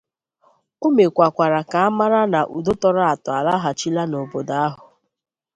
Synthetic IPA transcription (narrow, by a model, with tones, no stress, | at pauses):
o˦me˨kʷa˨kʷa˨ɾa˨ka˨a˦ma˦ɾa˦na˨ʔu˨do˦tɔ˦ɾʊ˦a˨tʊ˨a˨la˦ɦa˨t͡ʃi˦la˦no˨bo˨da˦a˦ɦʊ˨